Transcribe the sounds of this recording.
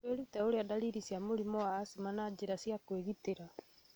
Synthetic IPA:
weɾutɛoɾeadaliɾisjamoɾimɔwaːsimanad͡ʒeɾasjakweɣiteɾa

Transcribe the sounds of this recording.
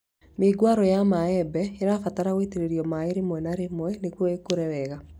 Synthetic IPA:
meɡwaɾɔjamaɛbɛeɾafataɾaɣweteɾeɾiɔmaeɾemwɛnaɾemwɛnekwɔekoɾɛwɛɣa

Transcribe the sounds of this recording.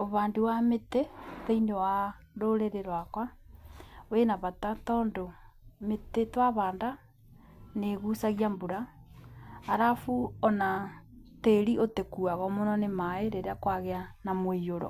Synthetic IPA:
oβaːnduwameteteinewa | ɾoɾeɾeɾwakwa | oenaβatatɔːndo | metetwaβaːnda | neɣusaɣiambuɾaː | ɾafuɔnateɾiʔotekuaɣɔmonɔnemaeɾeɾeakwaɣeanamoioɾɔ̰

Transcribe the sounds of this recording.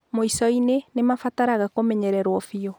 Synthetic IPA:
moisɔinenemafataɾaɣakomɛɲɛɾɛɾwɔfiɔ

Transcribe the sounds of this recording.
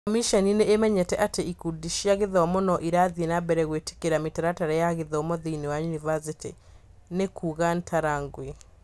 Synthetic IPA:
kɔmiʃɔnineːmɛɲɛtɛʔateikudiʃiaɣeðɔmonɔʔiɾaðenabɛɾɛɣwete̥keɾametaɾataɾɛjaɣeðɔmoðiiniwajunivasiti | nekʰuːɣantʰaɾaŋɡwe

